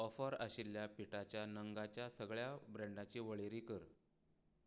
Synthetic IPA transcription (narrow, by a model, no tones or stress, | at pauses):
ɔfəɾəɕilːjapiʈat͡ɕjanəŋɡat͡ɕjasəɡɭjabɾɛ̃ɳɖat͡ɕiːʋəɭeɾiːkəɾ